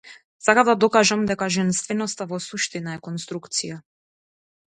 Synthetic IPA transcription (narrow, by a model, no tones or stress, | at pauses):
sakamd̪ad̪ɔkaʒamd̪ɛkaʒɛnst̪vɛnɔst̪avɔsuʃt̪inaɛkɔnst̪ɾukt̪sija